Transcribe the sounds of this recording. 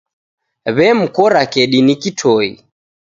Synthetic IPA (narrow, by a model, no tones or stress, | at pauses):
βɛm̩kɔɾakɛɗinikitʰɔḭ